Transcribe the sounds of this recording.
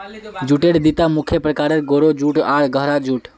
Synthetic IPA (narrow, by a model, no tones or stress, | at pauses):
d͡ʒuʈeɽd̪it̪amukʰjəpɾəkaɾeɾɡoɾod͡ʒuʈaɽ̤ɡəɦɾad͡ʒuʈ